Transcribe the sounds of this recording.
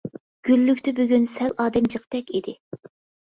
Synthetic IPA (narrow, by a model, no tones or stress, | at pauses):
ɡ̥ʲylːykʲt̪ɪbyɡʲynsɛlɑːd̪ɛmd͡ʒəqt̪ɛkʲid̪ɪ